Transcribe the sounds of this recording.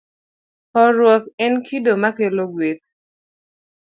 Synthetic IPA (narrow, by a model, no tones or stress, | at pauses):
ɔɾwɔkɛnkʰidomakeloɡwek̚